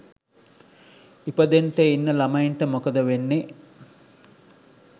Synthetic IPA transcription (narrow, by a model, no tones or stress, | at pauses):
ipəd̪eɳʈeinːəlamɐjiɳʈəmokəd̪əʋenːe